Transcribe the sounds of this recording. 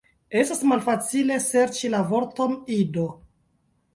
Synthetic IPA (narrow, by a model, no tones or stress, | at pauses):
e̞stasmalfat͡sile̞se̞ɾt͡ʃilavo̞ɾto̞nido